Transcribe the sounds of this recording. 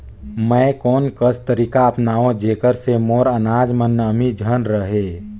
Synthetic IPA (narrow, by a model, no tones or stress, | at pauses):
mə̃ːkɔːnkəst̪əɾiːkaəpnaːʋõd͡ʒeːkəɾsemoːɾənaːd͡ʒmənːəmid͡ʒʱənɾəɦeː